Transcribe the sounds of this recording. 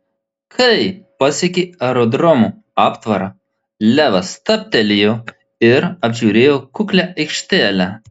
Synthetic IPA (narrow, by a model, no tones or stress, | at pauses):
kʰɐɪpɐsʲɛkʲeːɛɾɔd̪ɾɔmu | ɑːpt̪ʋɐɾɑ | lʲæːʋɐst̪ɐpʲt̪ʲɛlʲɪjoː | ɪɾɐbʲʒʲuːɾʲeːjoːkʊklʲɛʔɐɪkʃʲt̪ʲæːlʲɛ